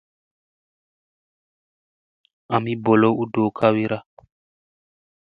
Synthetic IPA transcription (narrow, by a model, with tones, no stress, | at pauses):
a˨mi˦bɔ˨lo˦u˦do˨kʰa˦wi˦ɾa˦